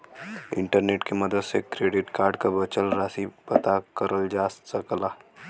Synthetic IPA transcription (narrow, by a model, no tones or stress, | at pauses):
ɪ̰̃ɳʈəɾneːʈkemɐd̪əd̪sekɾeːɖɪʈkaːɾɖkabɐt͡ʃəlɾaːsipɐt̪akəɾəld͡ʒaːssəklaː